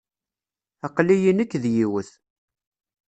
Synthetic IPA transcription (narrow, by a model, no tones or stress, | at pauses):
ɑqlijinəkːðjiwəθ